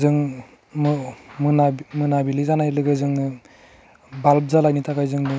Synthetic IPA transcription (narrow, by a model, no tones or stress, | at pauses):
zɯŋ | mɯmɯnamɯnabilizanajlɯɡɯzɯŋdɯ | balb̚zalajnitʰakajzɯŋdɯ